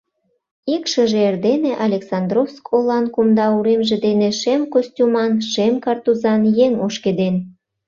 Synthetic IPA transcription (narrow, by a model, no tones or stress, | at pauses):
ikʃə̆ʒeerd̪eneʔɑlʲeksɑnd̪rofskʰolɑnkumd̪ɑuɾemʒĕd̪eneʃemkosʲtʲumɑnʃemkɑrt̪uzɑnjeŋoʃked̪en